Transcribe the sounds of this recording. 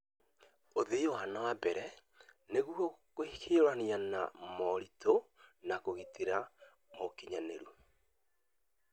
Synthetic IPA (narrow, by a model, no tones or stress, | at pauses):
oðeowanawabɛɾɛ | neɣuɔkokeɾwaniana̰mɔɾitonakoɣitiɾa | mokiɲaneɾu